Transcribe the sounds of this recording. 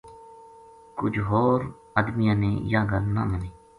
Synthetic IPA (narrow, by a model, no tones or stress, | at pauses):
kʊd͡ʒɦoːɾ | əd̪mɪjãːnḛ̃ːjaːɡʱəɾna̰ːməneː